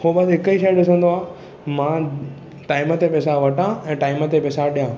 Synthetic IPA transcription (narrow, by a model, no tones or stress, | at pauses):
hoɓɐsɦɪkəiʃɐeɗɪsə̃nd̪oaː | mãː | ʈaːɪmət̪epɛːs̬aʋɐʈʰãɛ̃ːʈaːɪmət̪epɛːsaɗijãː